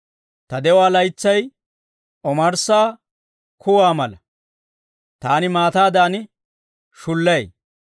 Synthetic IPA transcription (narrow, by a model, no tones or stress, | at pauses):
t̪ɐd̪ɛwaːlɐjt͡sːɐj | ʔɔmɐɾsaː | kʰʊwaːmɐlɐ | t̪aːnɪmaːt̪aːd̪aːnɪ | ʃʊlːɐj